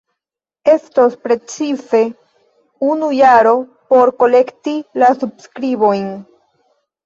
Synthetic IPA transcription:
e̞stospɾe̞t͡sife̞ | unujaɾo̞po̞ɾko̞le̞ktilasubskɾibo̞jn

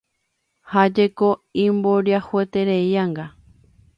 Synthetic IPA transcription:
had͡ʒekoĩmboɾjahuet̪e̞ɾejaŋɡa

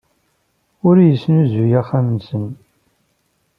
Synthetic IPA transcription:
ʊɾjəsːnuzujæχæmənsən

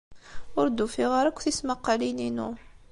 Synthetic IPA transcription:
ʊɾd̪ufiʁəɾækʷːθisməqːalininu

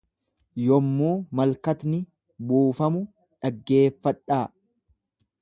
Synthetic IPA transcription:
jɔmːuːmɐlkɐt̪nɪ | buːfɐmʊ | ᶑɐɡːe̞ːfːɐᶑːaː

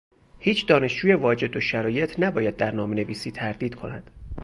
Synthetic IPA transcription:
hiːt͡ʃʰd̪ɒːne̞ʃd͡ʒuːje̞vɒːd͡ʒe̞d̪oʃæɾɒːje̞t̪ʰnæbɒːjæd̪̚ːæɾnɒːmene̞viːsiːt̪ʰæɾd̪iːd̪kʰo̞næd̪̥

